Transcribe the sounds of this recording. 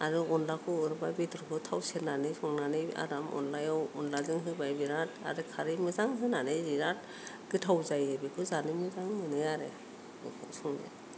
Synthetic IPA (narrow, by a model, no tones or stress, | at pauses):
aɾɯɔnlakʰɯɯɾbajbitʰɔɾkʰɯtʰawsenanɯjsɔŋnanɯja̰ɾamɔ̰nlajawɔ̰nlazɯŋɦɯbajbiɾat̚a̰ɾɯkʰaɾɯmɯzaŋsɯnanɯjziɾat̚ | ɡ̥ɯtʰawzajɯbikʰɯzanɯmɯzaŋmɯnɯjaɾe | ɔsɔŋza̰